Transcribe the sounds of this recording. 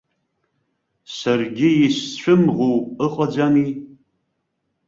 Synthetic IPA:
sɨrɡʲɪjɪst͡ɕʷʰɨmʁuɨqʼɐd͡ʒʷaniː

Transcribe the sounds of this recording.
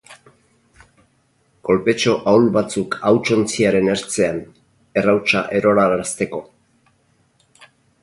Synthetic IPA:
ko̞lpe̞t͡ʃo̞ʔawlβat͡sukawt͡ʃo̞nt͡siaɾe̞ne̞ɾt͡se̞an | e̞rawt͡ʃaʔe̞ɾo̞ɾalaast̪e̞ko̞

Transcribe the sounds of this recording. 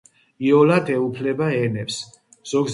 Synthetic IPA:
iɔlad̪ɛupʰlɛbaɛnɛps | z̥ɔɡz

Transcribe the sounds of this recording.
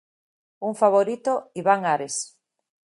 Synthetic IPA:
uŋfaβ̞oɾit̪oiβaŋaɾes

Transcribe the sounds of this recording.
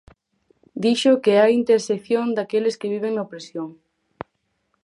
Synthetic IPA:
d̪iʃokeajint̪eɾsekθjoŋd̪akelɪskɪβ̞iβ̞eŋnapɾesjoŋ

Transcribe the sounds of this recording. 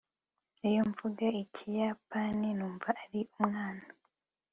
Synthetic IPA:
ijoɱvuɡaicʰijapaninuːɱvaːɾiʔumŋaːna

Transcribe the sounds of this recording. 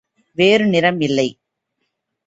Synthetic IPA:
ʋeːɾɯnɪɾɐmɪlːɐɪ

